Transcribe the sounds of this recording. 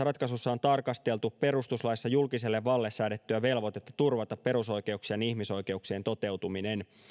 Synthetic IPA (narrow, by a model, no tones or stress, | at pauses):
rɑt̪kɑsusːɑo̞nt̪ɑrkɑst̪e̞lt̪uppe̞ɾust̪uslɑjsːɑjulkise̞lːeʋːɑlːesːæːdet̪ːyæʋe̞lʋo̞t̪e̞t̪ːɑ̥t̪urʋɑt̪ɑpːe̞ɾuso̞jk̟e̞uksiɑnihmiso̞jk̟e̞uksie̞nt̪o̞t̪e̞wt̪umine̞n